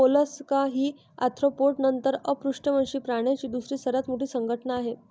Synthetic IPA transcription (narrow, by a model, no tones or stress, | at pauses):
oləskaɦiː | a̰t̪ʰɾopoʈnənt̪əɾəpɾuʂʈəmənɕiːpɾaɽ̃jat͡ɕiːd̪usɾiːsəɾat͡smoʈiːsəŋɡʱəʈənaːɦe